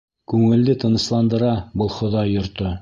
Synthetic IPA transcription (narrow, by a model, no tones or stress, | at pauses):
kʉŋɘ̆ld̪ɘt̪ɤ̆nɤ̆slˠɑnd̪ɤ̆ɾɑbɤlˠχŏðɑjːŏɾt̪ɤ